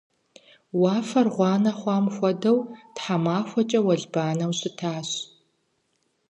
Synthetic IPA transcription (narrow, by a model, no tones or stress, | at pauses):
wɑːfɐrʁʷɑːnɐχʷɑːmxʷɔdɐwtħamaːxʷɔt͡ʃʼɐwɐɮbaːnɐwɕʼɪtʰaːɕ